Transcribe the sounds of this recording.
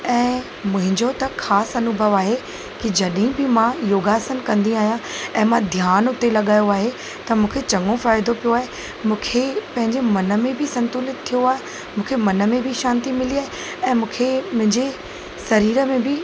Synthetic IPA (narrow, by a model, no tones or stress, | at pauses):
ɛ̃ː | mʊ̃ɦɪ̃ɲd͡ʑot̪ɐxaːsɐnʊbʱəʋaːɦe | kid͡ʑɐɗɦĩbɪmãjoːɡaːsənkɐ̃nd̪ĩaːɦjãɛ̃ːmãd̪ʱjaːnʊt̪elɐɠaːjoaːɦe | t̪ɐmũːkʰet͡ɕɐ̃ŋɡõfaːɪd̪opijoaːɦe | mũːkʰepɐ̃ɦɪ̃ɲd͡ʑemɐnə̆mẽbʱɪsɐ̃nt̪ʊlɪt̪t̪ʰːijoaːɦe | mũːkʰemɐnə̆mẽbʱɪiʃãːnt̪imɪliaːɦe | ɛ̃ːmũːkʰemʊ̃ɦɪ̃ɲd͡ʑe | sɐɾiːɾəmẽbʱɪ